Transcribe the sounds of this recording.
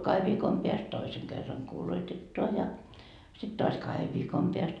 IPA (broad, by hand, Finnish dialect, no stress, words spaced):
kɑheʋ ʋiːkom peæst toiseŋ kerːɑŋ kuːloitetːoɑ jɑ sit toɑs kɑheʋ ʋiːkom peæst